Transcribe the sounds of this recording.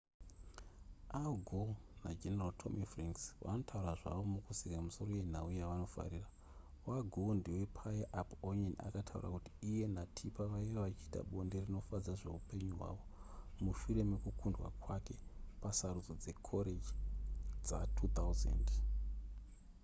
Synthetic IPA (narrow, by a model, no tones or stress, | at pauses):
aɡʱona̰d͡ʒeneraltʰo̞̰mʔifraŋksʋa̰no̞tʰauɾaʐa̰ʋo̞mukusikamiso̞ro̞je̞n̤aujaʋano̞fa̰ɾiːra | waɡʱondiwe̞pʰajaʔaponona̰katʰaṵra̰kuti̥ːje̞natʰipaʋaieʋat͡ʃiːta̰ɓo̞nde̞rino̞fad͡zaʐe̞upe̞ɲuɦwa̰ʋo̞muʃuɾe̞me̞kukʰundwa̰kwake̞pasaɾud͡zod͡ze̞kʰo̞ɾed͡ʒid͡za̰tʰut̪auzḛnd